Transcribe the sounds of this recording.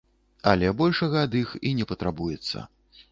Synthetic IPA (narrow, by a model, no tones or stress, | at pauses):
ɐlʲɛbɔlʲʂɐɣɐːd̪ixinʲɛpɐt̪ɾabujɛt̪sːɐ̰